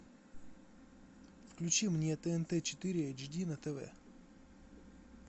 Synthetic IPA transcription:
fklʲʉt͡ɕimnʲet̪ɛɛnt̪ɛt͡ɕɪ̥t̪ɪɾʲɪɛd͡ʑdʲinɐt̪ɛvɛ̰

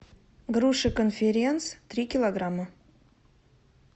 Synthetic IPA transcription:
ɡɾuʂɨkonfʲɪɾʲent̪st̪ɾʲikʲɪlˠoɡɾamːə

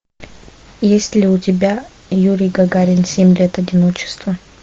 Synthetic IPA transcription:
jesʲtʲlʲɪʊtʲɪbʲa | juɾʲɪjɡɐɡaɾʲɪnsʲemʲlʲet̪ɐdʲɪnot͡ɕɪ̥st̪və

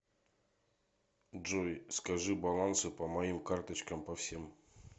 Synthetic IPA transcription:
ʐojskɐʐɨbɐlˠansɨpəmɐimkart̪ət͡ɕkəmpɐfsʲem

